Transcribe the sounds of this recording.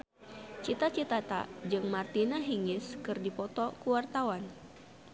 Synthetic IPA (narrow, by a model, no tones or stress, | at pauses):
t͡ʃit̪at͡ʃit̪at̪a̰d͡ʒɨŋmart̪inaɦiŋɪskɨrdipɔt̪ɔkuwart̪awan